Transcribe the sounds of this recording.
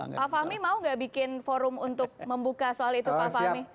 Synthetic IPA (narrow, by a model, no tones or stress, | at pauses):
pafahmimauŋɡaʔbikɪnfoɾʊmunt̪ʊk̚məmbukasoalit̪upafami